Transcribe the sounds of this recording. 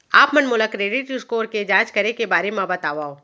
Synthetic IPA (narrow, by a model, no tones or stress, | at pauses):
aːpmɐnmʊləkɾeːɖɪʈʊskoːɾked͡ʒaːd͡ʒkɐɾekebaːɾemmãbɐt̪aːʋaːoː